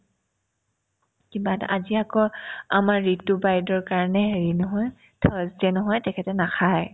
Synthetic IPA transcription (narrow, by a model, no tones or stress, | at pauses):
kibata̰ziakɔamaɹːitːʊbajdɔɹkaɹnɛɦeɹinɔɦɔj | tʰɔztɛnɔɦɔjtɛkʰɛtɛnaxʰaj